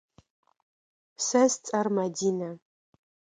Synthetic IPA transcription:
sɐzt͡sʼɐrmɐdiːnɐ

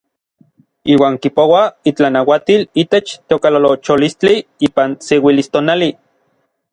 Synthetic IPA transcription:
iːwaːŋkipowait͡ɬanawat̪ilit̪et͡ʃt̪eokalolot͡ʃolist͡ɬiiːpansewilist̪oːnali

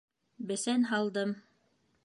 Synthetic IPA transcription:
bɘ̆sænɦɑlˠd̪ɤm

